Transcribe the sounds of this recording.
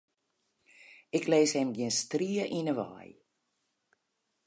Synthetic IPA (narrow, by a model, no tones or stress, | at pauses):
ɪkleːshɛmɡjiənstriəʔinəʋa̰ːj